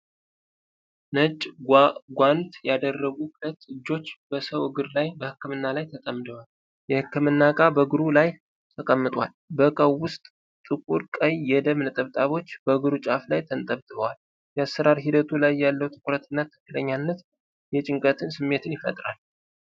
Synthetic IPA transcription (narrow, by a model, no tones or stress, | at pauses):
nət͡ʃʼɡʷant̪jad̪ərːəɡuklət̪ːɨd͡ʒːo̞t͡ʃːb̥əsəwɨɡɨɾlajbəhɨkːɨmɨnːalajt̪ʰək̪ʼəmɨd̪əwal | jɛhɨkːɨmɨnːakʼabəɡɨɾulaj | t̪ʰəkʼəmːɨt̪ʼwalbəkʼəwːʊst̪ʼ | t̪ʼɨkʼuɾkʼəjjɛd̪əmnɨt̪ʼəβt̪ʼaβo̞t͡ʃːb̥əɡɨɾut͡ʃʼaflajt̪ʰənt̪ʼəβt̪ʼɨβəwal | jɛasːəɾaɾɦid̪ət̪ʰulajːalːəwt̪ʰɨ̥kʰʼɾət̪ʰɨnːat̪ʰɨ̥kːɨləɲːanːət̪ | jɛt͡ʃʼɪŋkʼət̪ʰɨnsɨmːe̞t̪ʰɨnjɪfə̰t̪ʼɾa̰l